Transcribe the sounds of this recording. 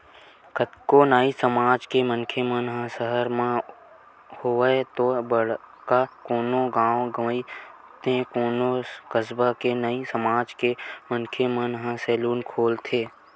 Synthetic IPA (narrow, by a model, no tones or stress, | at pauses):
kət̪konaːisəmaːd͡ʒkemənkʰemənɦə̃səɦəɾmã | hoet̪obəɽ | kakoːnõɡãːõɡəməi | t̪ʰẽkoːnokəsbakenəisəmaːd͡ʒkemənkʰemənɦə̃sɛːluːnkʰoːlt̪ʰeː